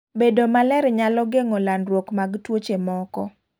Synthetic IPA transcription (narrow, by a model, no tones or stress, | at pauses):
bedomalɛɾɛɲalɔɡeŋɔlanɾwokmaɡtwot͡ʃemɔkɔ